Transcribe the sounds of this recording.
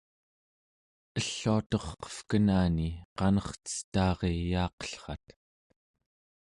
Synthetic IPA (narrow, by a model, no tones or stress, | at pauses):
əɬːuat̪o̞χqʌ̥fkənaːniqɑnʌχt͡sə̥st̪ɑːʁejɑːqʌ̥ɬχɑt̪